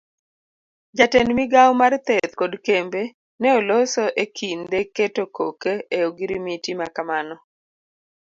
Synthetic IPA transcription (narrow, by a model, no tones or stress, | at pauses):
d͡ʒatɛnmiɡawmart̪ɛt̪̚kodkembe | nɛolosɔʔekʰind̪eketokokeeoɡɪɾimitimakamanɔ